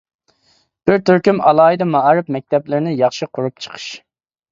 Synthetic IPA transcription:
b̥ɪɾt̪ʰyɾkʲymɑ̰lˠɑːid̪ɑmɑʔɾɨp̚mɛk̚ʲt̪ɛplɪɾɪnɪjɑχʃiqʰʊɾup̚t͡ʃʰə̥qʰə̥ʃ

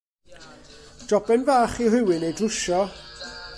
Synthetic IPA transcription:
d̥ɔbɛnvaːχiɦɪwɪnejdʊʃɔ

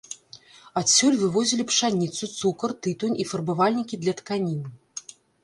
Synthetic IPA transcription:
asʲɔlʲvɨvɔzʲilʲipʂanʲit̪sut̪sukɐrt̪ɨt̪unʲifɐrbɨvalʲnʲikʲid̪lʲɐt̪kanʲinɨ

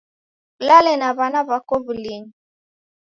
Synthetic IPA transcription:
lalɛnaβanaβakɔβulini

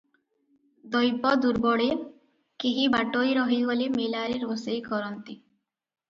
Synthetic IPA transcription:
d̪ɔjpɔd̪uɾbɔɽe | keɦibaʈojɾɔɦibolimelaɾiɾɦosejkɔɾɔnt̪i

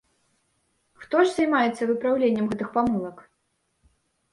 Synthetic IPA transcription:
xt̪ɔʐzajmajɛt̪sːɐvɨpɾawlʲenʲːɛmɣɛt̪ɨxpamɨlˠɐk

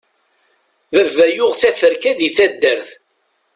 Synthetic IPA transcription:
ðəvːæjʊʁθæθəɾkæðiθæd̪ːəɾθ

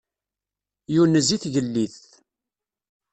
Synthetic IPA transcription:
junːəziθʝəlːiθ

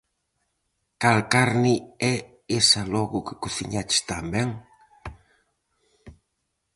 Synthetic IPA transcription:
kalkaɾniɛ | esɐlɔɣʊkɪ̥kuθḭɲat͡ʃɪ̥st̪ambɛŋ

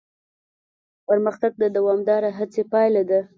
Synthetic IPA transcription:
pəɾməxt̪aɡ̚d̪əd̪awɑmd̪ɑɾaɦat͡sepɑjlad̪a

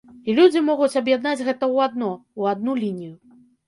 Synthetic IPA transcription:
ilʲud͡zʲimɔɣut͡sʲɐbjad̪nad͡zʲɣɛt̪ɐwad̪nɔuad̪nulʲinʲiju

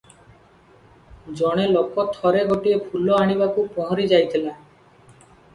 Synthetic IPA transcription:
d͡ʒɔɽ̃elokɔt̪ʰɔɾeɡoʈiepʰulɔaɽ̃ibakupɔ̃ɦɔɾid͡ʒajt̪ʰila

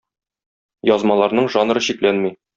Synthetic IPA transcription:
jɒzmɑlˠɑɾnɤɴʒɑnɾɤɕiklænmi

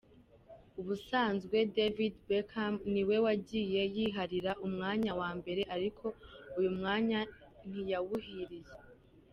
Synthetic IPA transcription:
uβusaːnzɡwe̞devidbekʰamniwe̞waɟije̞jiːɦaɾiɾaʔumŋaːɲawaːmbe̞ɾe̞ʔaɾikʰo̞ujumŋaːɲa | n̥ijaβuɦiɾije

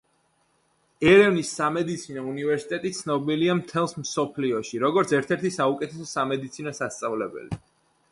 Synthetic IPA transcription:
ɛɾɛvnisːamɛd̪it̪sʰinɔunivɛɾsi̥t̪ʼɛt̪ʼit̪sʰnɔbiliamt̪ʰɛlˠsmsɔpʰliɔʃiɾɔɡɔɾt̪sʰɛɾt̪ʰɛɾt̪ʰisaukʼɛt̪ʰɛsɔsamɛd̪it̪sʰinɔsast̪sʼavlɛbɛ̰li

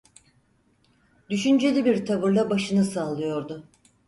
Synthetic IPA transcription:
d̪yʃynd͡ʒe̞lʲibiɾt̪ʰaβɯɾlˠabaʃɯnɯsaːlˠːɯjo̞ɾd̪ʊ

